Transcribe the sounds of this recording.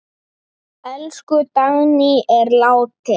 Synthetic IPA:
ɛlskʏt̪aɣnɪɛɾlaːwt̪ɪ

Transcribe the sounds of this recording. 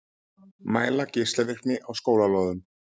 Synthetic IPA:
maːjlacɪst̪ɛðɪr̥pnɪʔawskoːwlalɔðʏm

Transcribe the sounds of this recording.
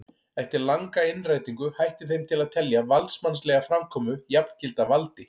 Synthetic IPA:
ɛht̪ɪɾlaŋkaɪnraːjt̪iŋkʏhajht̪ɪθejmt̪ʰɪlaðt̪ʰɛljavalt̪smanslɛɣafɾamkʰɔːmʏjapn̥cɪlt̪avalt̪ɪ

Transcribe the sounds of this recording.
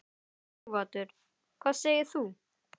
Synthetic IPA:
vaːt̪ʏɾ̥ | kʰvaːðseːjɪɾ̥θu

